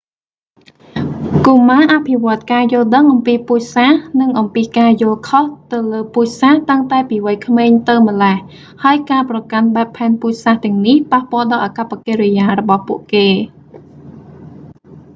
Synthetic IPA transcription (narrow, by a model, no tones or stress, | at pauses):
kumaːʔapʰiʋŏət̪̚kaːjʊ̆əlɗəŋʔɑmpiːpuːcsanɨŋʔɑmpiːkaːjʊ̆əlkʰoht̪ɨwləːpuːcsaht̪əŋt̪aɛpiːʋəjkʰmeːɲt̪ɨwmə̆lɛh | haəjkaːprɑkanɓaɛpʰːaɛnpuːc̚saːht̪ɛ̆əŋnihpahpoɔ̆əlɗɑːlʔaːkapːakeːɾijaːɾɔɓɑhpuəʔkeː